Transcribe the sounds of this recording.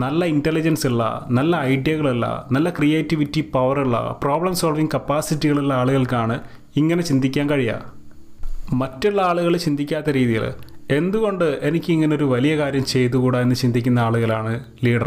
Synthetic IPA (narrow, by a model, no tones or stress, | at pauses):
nɐlːɐintelːid͡ʑɐnsiɭːɐ̰nɐlːɐːjɖijɐɣɐɭilːɐ̰nɐlːɐkrijeːtːiʋitːipɐʋɐriɭːɐ̰proːbɭɐmsoːlʋiŋɡkɐpːaːsitːiɣɐɭiɭːɐaːɭuɣɐɭkaːɳɨ | iŋːɐne̞t͡ɕind̪ʱikʲːaːnkɐɻijɐ̰ | mɐtːuɭːɐaːɭuɣɐɭt͡ɕind̪ʱikʲːaːt̪ːɐɾiːðijɐ̰ɭ̰e̞nd̪uɣo̞ɳɖɨe̞nikʲːɨiŋːɐneoɾuʋɐlijɐkaːɾjɐmt͡ɕe̞jt̪ːukuːɽaenːɨt͡ɕind̪ʱikʲːunːɐaːɭuɣɐlaːɳɨ | liːɖɐr